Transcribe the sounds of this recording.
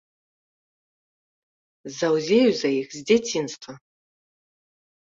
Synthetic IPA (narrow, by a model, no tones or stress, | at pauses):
zawzʲeɥzajixʲzdetʰinstʰʼa